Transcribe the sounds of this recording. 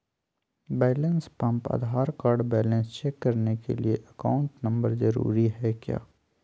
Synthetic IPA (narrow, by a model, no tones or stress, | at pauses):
bɛːlə̃nspɐ̃mpɐ̰d̪ʱaːɾkaːɾɖbɛːlə̃nst͡ʃeːkːɐɾnekḛlieʔɐka̰ːʊ̃ɳʈnɐ̃mbəɾzɐɾṵːɾiɦɛkja̰ː